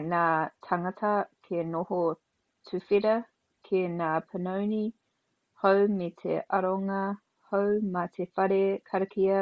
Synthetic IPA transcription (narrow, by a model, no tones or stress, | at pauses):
naːtʰɐŋɐtʰɐkʰenoho | tʰʉfiɾɐ | kʰenaːpʰənowni | howmetʰḛʔɐɾoŋɐ | howmɐtʰefɐɾekʰɐɾɐkʰiɐ